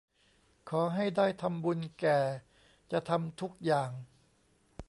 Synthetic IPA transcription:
kʰɔː˩˦ɦa˥˩jdaː˥˩jt̪ʰa˧mbu˧nkɛː˨˩ | t͡ɕa˨˩ʔt̪ʰa˧mt̪ʰu˦˥k̚jaː˨˩ŋ

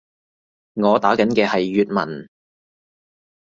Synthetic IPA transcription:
ŋɔː˨˧t̪aː˨˥kɐ˨˥nkɛː˧hɐ˨jːyː˨t̚mɐ̰˨˩n

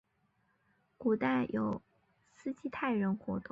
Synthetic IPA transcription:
ku˨˩t̪a˥˩ɪjʔo˨˩ʊ | sɹ̩˥t͡ɕi˥t̪ʰa˥˩ɪɻə˧˥nxwɔ˧˥t̪ʊ˥˧ŋ

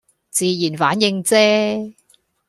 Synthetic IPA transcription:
t͡siː˧jiː˨˩nfaː˨˥njɪ˧ŋt͡sɛː˥

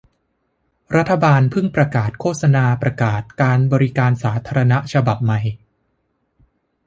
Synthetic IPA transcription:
ɾa˦˥t̪ʰːa˧baː˧npʰɯ˥˩ŋpɾa˧kaː˨˩t̪̚kʰoː˥˩t̪̚sa˧naː˧pɾa˧kaː˨˩t̪̚kaː˧nbɔː˧ɾi˦kaː˧nsaː˩˦t̪ʰaː˧ɾa˧na˦˥t͡ɕʰa˧ba˨˩p̚ma˨˩j

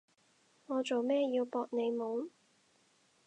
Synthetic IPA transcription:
ŋɔː˨˧t͡so˨wmɛː˥jiː˧wpɔː˧k̚ne˨˧jmo˨˧w

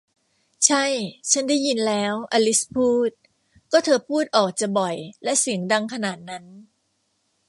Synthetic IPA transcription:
t͡ɕʰa˥˩jt͡ɕʰa˦˥nda˥˩jːi˧nlɛː˦˥wʔa˧li˦˥spʰuː˥˩t̪̚ | kɔː˥˩t̪ʰɤː˧pʰuː˥˩t̪̚ʔɔː˨˩k̚t͡ɕa˨˩bɔ˨˩jlɛ˦˥ʔsi˨˩˦əŋda˧ŋkʰa˧naː˨˩t̪̚na˦˥n

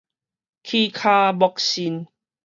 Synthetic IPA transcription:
kʰi˧kʰa˧bɔ˧k̚ɕi˧˦n

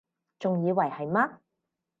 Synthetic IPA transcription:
t͡sʊ˨ŋjiː˨˧wɐ˨˩jhɐ˨jma˥

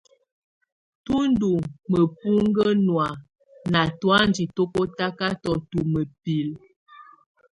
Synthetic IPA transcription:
tu˦n˦du˨mə˨pu˦ŋɡə˦nwa˨ | na˨twa˦n˦di˨to˦ko˦ta˦ka˦tɔ˨tu˨mə˨pi˨l

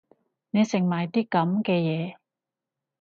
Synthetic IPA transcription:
ne˨˧jsɪ˨˩ŋmaː˨jt̪iː˥kɐ˨˥mkɛː˧jɛː˨˧

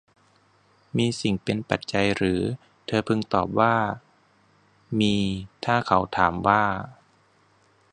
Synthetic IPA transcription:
miː˧si˨˩ŋpe˧npa˨˩t̪̚t͡ɕa˧jɾɯː˩˦ | t̪ʰɤː˧pʰɯ˧ŋt̪ɔː˨˩p̚waː˥˩ | miː˧t̪ʰaː˥˩kʰa˩˦wt̪ʰaː˩˦mwaː˥˩

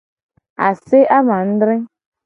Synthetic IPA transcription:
a̰˨sɪ˦ʔa˦ma˨n̩˦dɾɪ˦

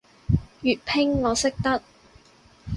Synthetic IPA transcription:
jyː˨t̚pʰɪ˥ŋːɔː˨˧sɪ˥k̚t̪ɐ˥t̚

